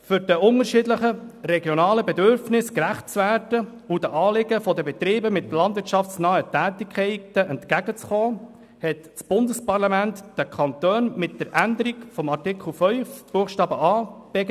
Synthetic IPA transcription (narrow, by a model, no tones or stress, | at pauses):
fʏɾd̥əʊnəɾʃɪːdləχəɾɛɡjɔnɑːləbɛd̪øɾfnɪskɾæχt̚t͡svæːɾdə | udəʔɑːlɪɡəfɔd̪əbɛt̪ɾiːbəmɪt̪lɑnd̪vɪɾtt͡ʃʃɑft͡snœətæːtɪkʰɛɪtəʔɛntkæɡ̥ət͡sχɔː | hɛt | t͡sb̥ʊnd̪əspɑrlɑmæntd̥əkʰɑnt̪øːnmɪt̚d̥̪əɾʔænd̪əɾikfɔmɑrtɪkʰl̩fœʏfb̥uəχʃtɑːbəʔɑːb̥ɛɡ